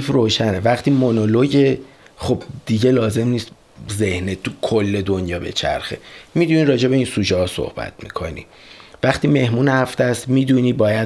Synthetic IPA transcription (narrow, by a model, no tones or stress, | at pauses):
froːʃænevæχt̪ʰiːmonoloɟe̞χo̞b̚d̪̥iɟe̞lɒːze̞mniːst̪ | ze̞hnet̪ʰukʰolːe̞d̪o̞njɒːbe̞̰t͡ʃʰæ̰ɾxḛmid̪uniːɾɒːd͡ʒe̞be̞iːnsuːd͡ʒɒɦɒːso̰hbæ̰t̪̚ʰmḭːkʰo̞̰nḭ | væχt̪ʰiːme̞hmuːnhæft̪æst̪miːd̪uniːbɒːjæ